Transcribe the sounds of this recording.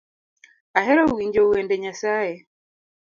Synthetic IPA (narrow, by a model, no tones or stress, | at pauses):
aɦɛɾauwiɲd͡ʒɔuɛndɛɲasaɛ